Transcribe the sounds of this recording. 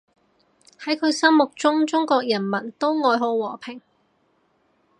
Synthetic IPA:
hɐ˨˥jkʰɵ˨˧ɥsɐ˥mmʊ˨k̚t͡sʊ˥ŋt͡sʊ˥ŋkɔː˧k̚jɐ˨˩nmɐ˨˩nt̪o˥wŋɔː˨˧jɦo˨˥wwɔː˨˩pʰɪ˨˩ŋ

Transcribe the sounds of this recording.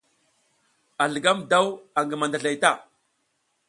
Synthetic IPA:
a˨ɮə˨ɡa˦mda˦wa˨ŋɡə˨ma˨nda˨ɮa˨jta˦˨

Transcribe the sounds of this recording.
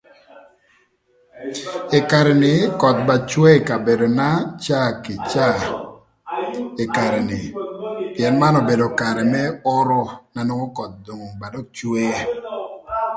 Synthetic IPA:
ɪ˨ka˨ɾɛ˨nɪ˨˦kɔ˨t̪̚ba˨t͡ʃwe˦˨ka˨be˨do˨na˦t͡ʃa˦kɪ˨t͡ʃa˦˨ | ɪ˨ka˨ɾɛ˨nɪ˨pi˨ɛ˨nma˦nɔ˨be˨do˨ka˨ɾɛ˨mɛ˦ɔ˦ɾɔ˦na˨nɔ˦ŋɔ˦kɔ˨t̪̚do˨ŋo˨ŋba˨dɔ˦kt͡ʃwe˦e˦

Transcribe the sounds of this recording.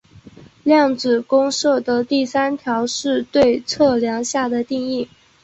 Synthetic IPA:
ljɑ˥˩ŋt͡sɹ̩˨˩kʊ˥ŋʂɤ˥˩d̪ə˨˦t̪i˥˩sa˥nt̪ʰjɑ˧˥ʊʂɻ̩˥˧t̪we˥˧ɪt͡sʰɤ˥˩ljɑ˧˥ŋɕja˥˩d̪ə˩t̪i˥˧ŋi˥˩

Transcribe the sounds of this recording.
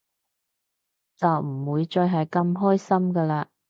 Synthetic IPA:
t͡sɐ˨wm̩˨˩wuː˨˧jt͡ʃɵ˧jɦɐ˨jkɐ˧mɦɔː˥jsɐ˥mkəː˧laː˧

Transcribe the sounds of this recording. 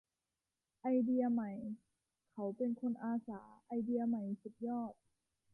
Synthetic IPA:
ʔa˧jdi˧ɐ˧ma˨˩j | kʰa˧˦wpe˧nkʰo˧nʔaː˧saː˩˦ʔa˧jdi˧ɐ˧ma˨˩jsu˨˩k̚jɔː˥˩t̪̚

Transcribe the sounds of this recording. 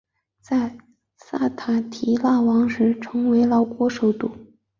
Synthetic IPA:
t͡sa˥˧ɪ | sa˥˩t̪ʰa˨˩t̪ʰi˧˥la˥˩wɑ˧˥ŋʂɻ̩˧˥ʈ͡ʂʰɤ˧˥ŋwe˧˥ɪlɑ˧˥ʊkwɔ˧˥ʂo˨˩ʊt̪u˥˩

